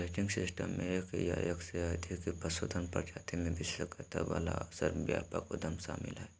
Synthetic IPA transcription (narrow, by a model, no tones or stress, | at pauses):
eʈɪ̃ŋɡsɪsʈəmːẽekjaːjəksead̪ʱikipɾɐsod̪ʰʱənpəɾd͡ʒaːt̪imẽʋɪsəkɐt̪aʋaːlasəɾbjaːpakod̪ɐmsaːmɪlɦɛː